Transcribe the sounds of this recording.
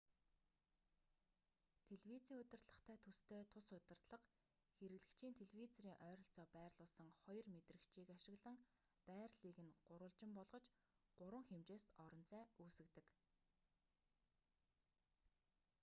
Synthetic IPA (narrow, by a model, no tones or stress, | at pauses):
t̪ʰeɮwit͡siːŋɵt̪ɪ̆rt̪ɮə̆χt̪ʰæːt̪ʰust̪ʰeːt̪ʰʊsʊt̪ʲɪ̆rt̪ɮə̆q | xeɾɘ̆ɣɮɘ̆kt͡ɕʰiːnt̪ʰeɮwit͡sɔɾiːŋʔœːɾɞ̆ɬt͡sɔːpæːrɮʊːɮsə̆ŋχɔjɞ̆rmet̪rɘ̆kt͡ɕʰiːkaʃɪ̆ɣɮə̆ŋpæːrɮiːɣɘ̆nɢʊɾʊːɮt͡ɕɪ̆mpɔɮʁɞ̆t͡ɕ | ɢ̥ʊɾwə̆ŋxemt͡ɕeːst̪ɔɾɞ̆n̥t͡sʰæːuːsɘ̆kt̪ɘ̆k